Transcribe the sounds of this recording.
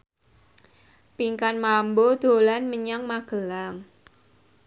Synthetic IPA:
piŋkanmambod̪̥o̤lanməɲaŋmaɡ̥ə̤laŋ

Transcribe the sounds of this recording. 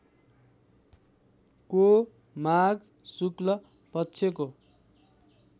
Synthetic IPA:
ko | maɡ | suklʌ | pʌtːsʰeko

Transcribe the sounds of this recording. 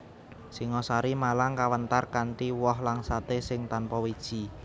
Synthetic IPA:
siŋɔsaɾimalaŋkawənt̪arkaɳʈiwɔɦlaŋsat̪esɪŋt̪anpɔwid̥ʒ̥i

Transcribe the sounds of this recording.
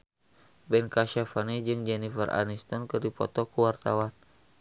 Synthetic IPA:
bɛnkaʃafanid͡ʒɨŋd͡ʒɛnifərʔa̰nist̪ɔnkɨrdipɔ̰t̪ɔkəwart̪awan

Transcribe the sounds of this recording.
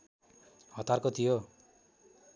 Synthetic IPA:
hɔt̪aɾkɔt̪ʰijo

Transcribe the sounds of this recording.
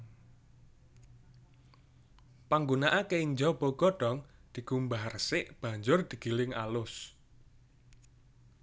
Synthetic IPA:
paŋɡunaʔakeiɲd͡ʒɔb̥ɔ̤ɡ̥ɔ̤ɖ̥ɔ̤ŋd̪̥i̤ɡ̥umbaɦrsɪʔb̥ä̤ɲd͡ʒʊrd̪̥i̤ɡ̥ilɪŋalʊs

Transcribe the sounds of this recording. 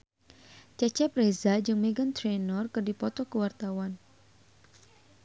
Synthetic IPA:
t͡ʃɛt͡ʃɛpɾezad͡ʒɨŋmeɡənt̪ɾenɔrkɨrdipɔt̪ɔkəwart̪awan

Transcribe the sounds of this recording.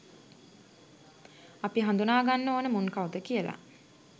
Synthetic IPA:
apiɦand̪unaːɡanːoːnəmunkaud̪əkijəla̰

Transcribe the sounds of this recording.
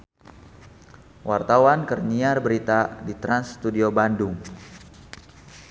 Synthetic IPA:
wʔart̪awankərniarbəɾit̪adit̪ɾanst̪udiobandʊŋ

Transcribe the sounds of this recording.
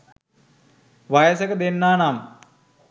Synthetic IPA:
ʋajəsəkəd̪enːaːnam

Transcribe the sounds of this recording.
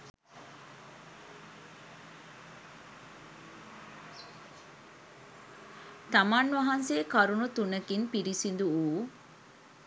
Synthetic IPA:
t̪ɐmaːnʋɐɦɐnseːkɐɾunut̪unɐkinpiɾisind̪uuː

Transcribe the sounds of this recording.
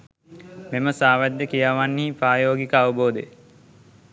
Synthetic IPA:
meməsaːʋæd̪ːəkijaʋanːiiːpɾaːjoːɡikəaʋəboːd̪e

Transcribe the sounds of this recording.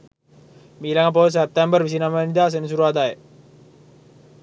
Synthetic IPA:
milaŋap̬os̬ɛp̚t̪ɛmbərʋis̬inamanid̪aːs̬ens̬uɾuad̪aje

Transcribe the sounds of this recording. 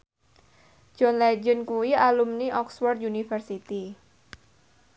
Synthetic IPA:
d͡ʒ̥ɔnlɛd͡ʒənkuwialumniʔɔkswɔrd̪̚junifərsit̪i

